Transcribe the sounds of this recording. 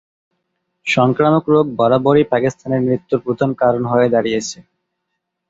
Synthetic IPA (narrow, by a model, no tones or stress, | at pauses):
ʃɔŋkɾamokɾoɡ̚bɔɾaboɾipakist̪ʰaneɾmɾit̪ːuɾpɾud̪ʱankaɾonɦoed̪aɾijet͡ɕʰe